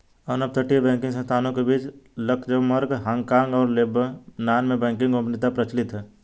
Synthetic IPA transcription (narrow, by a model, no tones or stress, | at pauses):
ɔnəb̚t̪ʰəʈibɛ̃ːŋkɪ̃ŋɡs̬ə̃nst̪ʰaːnõkebit͡ʃləkʰd͡ʒəməɾɡɦaŋkãːŋɡɔːɾlebnaːnmẽbɛ̃ːŋkɪ̃ŋɡõpnɪt̪apɾət͡ʃlɪt̪ɦɛː